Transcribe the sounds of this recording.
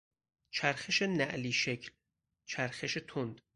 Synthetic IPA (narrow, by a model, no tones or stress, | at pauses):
t͡ʃʰæɾxeʃenæʔliːʃe̞cʰl | t͡ʃʰæɾxeʃet̪ʰond̪